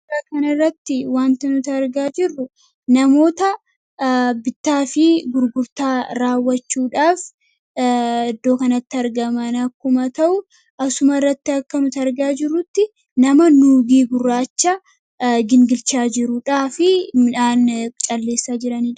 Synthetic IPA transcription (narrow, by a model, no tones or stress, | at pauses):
aːkɐnɐrːɐt̪ːɪwaːnt̪ɐnʊt̪ɐɾɡaːd͡ʒɪrːʊ | nɐmo̞ːt̪ɐ | bɪt̪ːaːfɪɡʊɾɡʊɾt̪aːɾaːwːɐt͡ʃːuːᶑaːf | ɪd̪ːo̞ːkɐnɐt̪ːɪɐɾɡɐmɐnɐkːʊmɐt̪ɐʔʊ | ʔɐsʊmɐɪrːɐt̪ːɪɐkːɐnʊt̪ɐɐɾɡaːd͡ʒɪrːʊt̪ːɪ | nɐmɐnuːɡiːɡʊrːaːt͡ʃːɐ | ɡɪŋɡɪlt͡ʃaːd͡ʒɪɾʊᶑaːfɪmɪᶑaːnt͡ʃʼɐlːe̞ːsːaːd͡ʒɪɾɐniː